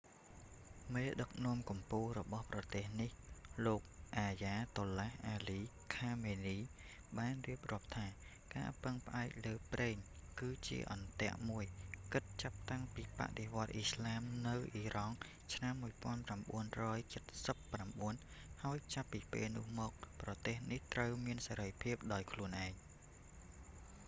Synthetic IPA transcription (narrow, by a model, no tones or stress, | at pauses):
meːɗək̚nŏəmkumpuːlrɔɓɑhprɑt̪eːhnihloːk̚ʔaːjaːt̪oːlahʔaːliː | kʰaːmeːniː | ɓaːnriəp̚rŏəp̚t̪ʰaː | ka̰ːpɨŋpə̆ʔaɛk̚ləːprʔeːŋkɨːt͡ɕḭəʔɑnt̪ɛ̆əʔmuəjkɨt̪̚t͡ɕap̚t̪aŋpiːpa̰ʔɗeʋŏət̪̚ʔislaːmnɨwʔiːrɑŋ | t͡ɕʰnamːuəjpŏənpramɓuənrɔːjt͡ɕət̪̚səpːramɓuənhaɔjt͡ɕapːiːpḛːlnʊ̆əhmɔːk̚prɑt̪eːhniht̪rəwmiənsaɾəjpʰiəp̚ɗaɔjkʰluənʔaɛŋ